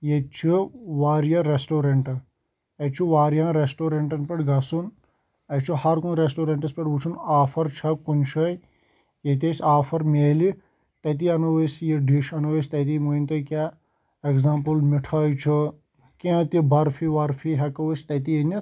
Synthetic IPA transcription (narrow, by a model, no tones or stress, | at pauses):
jet͡ʃʰiʋaːɾjɐɾesʈoːɾeɳʈɐ | ɐt͡ʃʰuʋaːɾjãːɾesʈoːɾeɳʈɐnpeʈɡɐsun | ɐt͡ʃʰuhɐɾkunɾesʈoːɾeɳʈɐspeʈut͡ʃʰunaːfʰɐɾt͡ʃʰɐkunt͡ʃʰɐj | jet̪̬esʲaːfʰɐɾmeːli | t̪ɐt̪̬iɐnɐʋəsjeɖiʃɐnɐwɐst̪ɐt̪̬imuint̪ojkʲaː | ekzãːmpɨlmiʈʰaːjt͡ʃʰu | kãːt̪ibɐɾpʰiʋɐɾpʰiɦɐkɐʋəst̪ɐt̪ienɐ